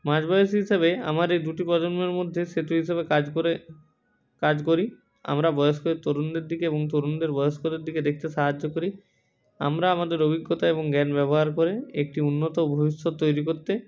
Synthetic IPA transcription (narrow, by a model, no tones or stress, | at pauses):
mad͡ʑbajoʃ̬iɦiʃabea̰maɾejd̪uʈipɾɔd͡ʑonmeɾmod̪ʱːeʃet̪uɦiʃabekad͡ʑoɾe | kad͡ʑkoɾi | a̰mɾabɔjoskoet̪oɾund̪eɾd̪ikeeboŋt̪oɾund̪eɾbɔjoʃkod̪eɾd̪iked̪ek̚ʰt̪eʃaɦad͡ʑːokoɾi | a̰mɾaamad̪eɾobʱiɡːot̪aeboŋɡɛnbɛβoɦaɾkoɾeek̚ʈiunːot̪obʱobiʃːot̪ːojɾikoɾt̪e